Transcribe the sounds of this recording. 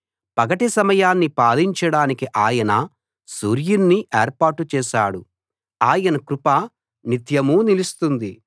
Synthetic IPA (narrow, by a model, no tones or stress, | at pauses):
pɐɡɐʈisɐmɐjaːnːipaːliɲt͡ʃɐɽaːnikiʔaːjɐnɐ | suːɾjunːiʔeːɾpaːɾʈːut͡ʃɛːʃaːɽu | aːjɐnɐkɾupɐ | nit̪jɐmuːnilist̪und̪i